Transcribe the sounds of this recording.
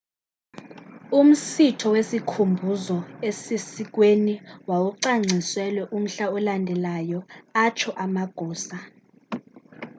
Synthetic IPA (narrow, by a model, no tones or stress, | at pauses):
um̩sitʰɔwesikʰumbʱuzɔesisik̬weniwawuǀaŋ͡ǀʱiswɛlwɛʔum̩ɬaɔlandʱɛlajɔat͡ʃʰɔʔamaɡ̥ʱɔːsa